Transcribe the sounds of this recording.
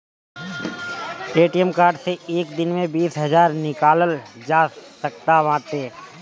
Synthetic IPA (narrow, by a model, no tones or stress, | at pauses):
ʈeːʈijəmkaːɾɖseeːkd̪ɪnmẽbiːsɦɐzaːɾnɪkaːləld͡ʒaːsɐkt̪aʋãːt̪eː